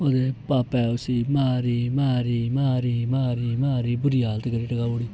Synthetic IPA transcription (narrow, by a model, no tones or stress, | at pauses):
od̪epapɛwsimaɾimaːɾimaɾimaːɾimaːɾibuɾialt̪eɡaɾiʈaɡauɽi